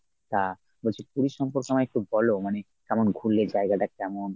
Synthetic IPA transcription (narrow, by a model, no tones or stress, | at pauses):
t̪a | bolt͡ɕʰepuɾiʃɔmpoɾkamaɛk̚ʈubʱɔlomane | kɛmonɡʱulːed͡ʑaeɡaʈakɛmon